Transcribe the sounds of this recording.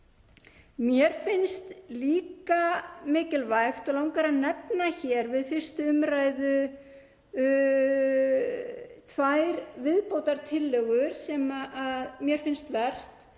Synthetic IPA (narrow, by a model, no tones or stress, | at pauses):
mjɛɾ̥fɪnst̪liːkamɪːcɪlvajxt̪ɔlawŋkaɾanɛpnaçɛɾvɪðfɪr̥st̪ʏʏmɾaːjðʏ | t̪ʰvajɾvɪðpowt̪aɾt̪ʰɪlːœɣʏɾ̥sɛmaʔaðmjɛɾ̥fɪnst̪vɛr̥t̪